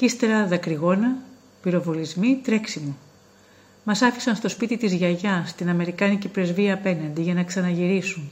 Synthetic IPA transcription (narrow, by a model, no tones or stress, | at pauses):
cist̪eɾɐðɐkɾiɣo̞nɐ | piɾo̞volizmit̪ɾe̞ksimu | mɐsɐfisɐnst̪o̞spit̪it̪izʝɐʝɐst̪inɐme̞ɾikɐnicipɾe̞zviɐːpe̞nɐnd̪iʝɐnɐksɐnɐʝiɾisun